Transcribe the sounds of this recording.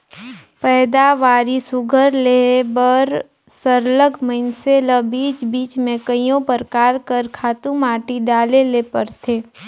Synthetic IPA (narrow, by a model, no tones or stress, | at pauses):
pɛːd̪aʋaːɾisʊɡʱəɾlebəɾ | səɾləɡʱməɪnseləbiːt͡ʃbiːt͡ʃmẽkəijõpəɾkaːɾkəɾkʰaːt̪ũmaːʈiɖaːlelepəɾt̪ʰeː